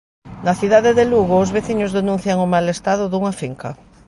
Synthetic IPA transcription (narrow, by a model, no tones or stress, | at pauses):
nɐθiðaðeðeluɣʊːzβeθiɲʊzðenũn̟θjɐŋʊmalest̪aðʊðuŋɐfiŋkɐ̰